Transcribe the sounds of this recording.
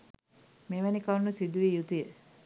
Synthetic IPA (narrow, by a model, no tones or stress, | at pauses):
meːʋænikanːusid̪uʋijut̪ujə